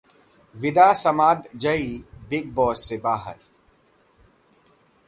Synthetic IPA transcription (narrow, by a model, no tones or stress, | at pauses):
ʋɪd̪aːsɐmaːd̪d͡ʒəibɪɡ̚bɔːsːebaːɦə̰ɾ